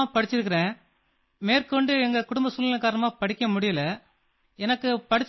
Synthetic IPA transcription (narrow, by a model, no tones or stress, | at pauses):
pɐɽɪt͡ʃːɪɾɯk̬ːɪɾẽː | meːɾkɯʋɐɳɖɯɛŋɡɐkʊɽʊmbɐsʊlːɪnɐkaːɾɐnɐmaːpɐɽɪkːɐmʊɽɪjɐlɐ | ɛnɐkːɯpɐɽɪt͡ʃː